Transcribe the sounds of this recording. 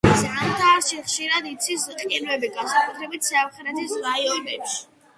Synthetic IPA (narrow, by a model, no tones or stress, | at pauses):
d̪zand̪aːɾʃɛχʃiɾad̪it̪sʰisqʼinvɛbiɡansakʼut̪ʰɾɛbit̪ʰsiamχɛɾɛt̪ʰisɾaiɔnɛpʃi̥